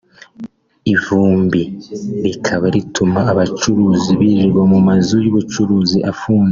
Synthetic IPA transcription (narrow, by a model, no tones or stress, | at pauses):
ivuːmbiɾikʰaβaɾitʰumaːβat͡ʃuɾuːziβiʒiβomumazujuβut͡ʃuɾuːziʔafuːnze